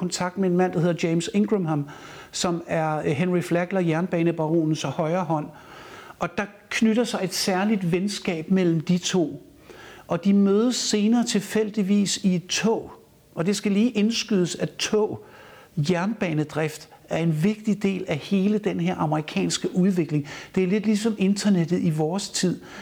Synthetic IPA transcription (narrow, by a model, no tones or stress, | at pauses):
ɒnt͡sʰɑ̈ɡ̥̚d̥mee̝nmæn̰d̥ɑɦheðˠɐdjeɪmseŋɡ̥ʁemɦæm | sɒ̽mæɐɦenʁiflæɡ̥lɐjæɐnb̥ɛːnəb̥ɑ̈ʁo̝̰ːnn̩sɒ̽hɒ̽ɪɐːɦɒ̽n̰ | ʔɒ̽d̥ɑ̈ | kʰnyɾ̥ɐsɑ̈ɪe̝d̥sæɐlid̥ʋensɡ̥ɛ̰ːb̥mel̰m̩d̥it͡sʰo̝̰ː | ʔɒ̽d̥imøːð̞ˠəsːe̝ːnɐːt͡sʰe̝fel̰d̥iʋḭːsied̥t͡sʰɔ̰ʊ̰ | ʔɒ̽d̥e̝sɡ̥æliːʔe̝nsɡ̥yð̞ˠəsæt͡sʰɔ̰ʊ̰ | jæɐnb̥ɛːnəd̥ʁɛfd̥æɐe̝nʋe̝ɡ̥̚d̥id̥e̝̰ːlæhe̝ːləd̥enɦe̝ɐ̰ʔɑ̈məʁikʰɛ̰ːnsɡ̥əʔuð̞ˠʋe̝ɡ̥le̝ŋd̥e̝æɐle̝d̥lisɒ̽me̝nd̥ɐned̥ð̩ˠiʋɒːst͡sʰið̰ˠ